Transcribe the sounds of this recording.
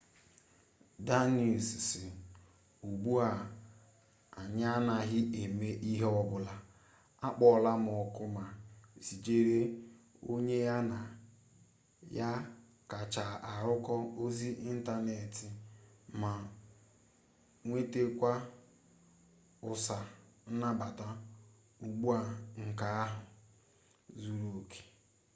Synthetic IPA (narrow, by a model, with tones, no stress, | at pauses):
da˦ni˨ssɪ˨ | u˨ɡ͡bu˦a˨ | a˨ɲa˦na˨ɦɪ˦ʔe˨me˦ʔi˦ɦe˦ɔ˦bʊ˦la˦ | a˦k͡pɔ˨la˦m˨ɔ˨kʊ˦ma˨si˨d͡ʒe˦ɾe˦ | o˦ɲe˦ja˦na˨ | ja˦ | ka˨t͡ʃa˨a˨ɾʊ˦kɔ˦o˦zi˦ʔi˦n̩˦ta˦ne˨tɪ˨ma˨ | ŋʷe˦te˦kʷa˦ | ʊ˨sa˨n̩˦na˦ba˨ta˦ | u˨ɡ͡bu˦a˨ŋ̩˨ka˨a˦ɦʊ˨ | zu˦ɾu˨o˨kʰe̥˨